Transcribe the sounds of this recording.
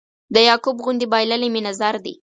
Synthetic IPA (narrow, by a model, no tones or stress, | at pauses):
d̪əjɑkubɣʊnd̪ibɑjlaliminazɑɾd̪ḭ